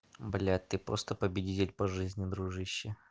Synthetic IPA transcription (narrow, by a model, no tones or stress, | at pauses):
blʲat̪ɨpɾo̰st̪əpəbʲɪdʲitʲɪlʲpɐʐɨzʲnʲɪd̪ɾuʐɨɕːɪ